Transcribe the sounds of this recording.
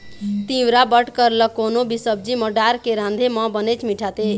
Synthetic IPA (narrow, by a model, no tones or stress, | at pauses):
t̪ĩwɾabəʈkəɾləkːonobisəb̚d͡ʒiməɖaɾkeɾãnd̪ʱemɔ̃bənət͡ʃʰmiʈʰat̪e